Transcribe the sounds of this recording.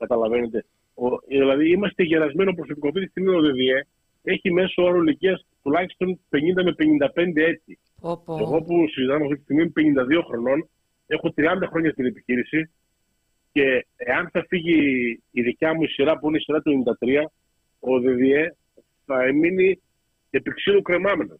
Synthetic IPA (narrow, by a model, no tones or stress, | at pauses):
kɐt̪ɐlɐve̞ne̞t̪e̞ | oðilɐðiimɐst̪e̞ʝeɾɐzme̞nopɾo̞so̞pikoft̪it̪ist̪iɣmioðe̞ðie̞ | e̞çime̞sooɾoliciɐs | t̪ulɐçi̥st̪o̞npe̞ɲind̪ɐmepeɲind̪ɐpe̞nd̪e̞e̞t̪i | eɣo̞pusizit̪ɐmeɐft̪it̪ist̪iɣmimupe̞ɲind̪ɐðio̞xɾo̞no̞n | e̞xo̞t̪ɾiɐnd̪ɐxɾoɲɐt̪ine̞pi̥çiɾisi | ce̞ːɐnθɐfiʝiːðicɐmuisiɾɐpuineisiɾɐt̪ueɲind̪ɐt̪ɾiɐ | oðe̞ðie̞ | θɐemini | epiksiðukɾe̞mɐmenos